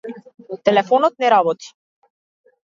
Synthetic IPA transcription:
t̪ɛlɛfɔnɔt̪̚nɛɾabɔt̪i̥

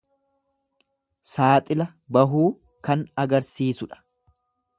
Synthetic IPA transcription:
saːt̪ʼɪlɐ | bɐɦuː | kɐnɐɡɐɾsiːsʊᶑɐ̥

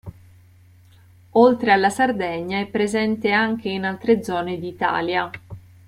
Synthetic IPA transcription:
olt̪ɾealːasard̪ɛɲːaɛpːɾezɛnt̪eaŋk̟einalt̪ɾed̪zːɔːned̪iːt̪a̰ːlja

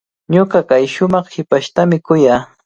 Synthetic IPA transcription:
ɲoɢɑkajʃʊmɑχhɪpaʃt̪amɪkʊjaː

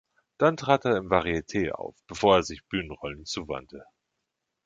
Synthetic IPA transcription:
d̥antʁ̥aːteːɐɪmvaʁietʰeːʔa̰ʊfb̥əfoːɐeːɐzɪçb̥yːnənʁɔlənt͡suːva̰ntʰə

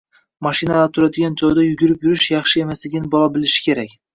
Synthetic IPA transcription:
maʃɪnalat̪ʰʊɾad̪ɪɡʲand͡ʒɒjd̪ajʊɡʲʊɾɪpjʊɾɪʃjɑχʃɪe̞maslɪɡʲɪnɪbɒlˠɒbɪlɪʃɪ̥kʲʰe̞ɾakʲ

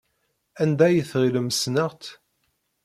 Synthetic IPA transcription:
ænd̪æjəθʁiləməsnəʁt̪

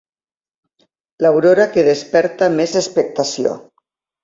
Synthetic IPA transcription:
lawɾoɾakeðespɛɾt̪amezespek̚t̪asio̰

